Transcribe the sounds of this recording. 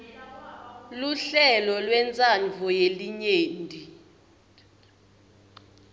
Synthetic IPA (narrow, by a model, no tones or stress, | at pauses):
luɬɛlɔlwɛnt͡sʼand͡vʱɔjeliɲeːndʼi